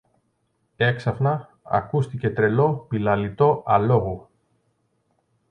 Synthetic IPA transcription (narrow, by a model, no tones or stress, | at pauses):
e̞ksɐfnɐ | ɐ̰kust̪ice̞t̪ɾe̞lo̞pilɐlit̪o̞ʔɐlo̞ɣo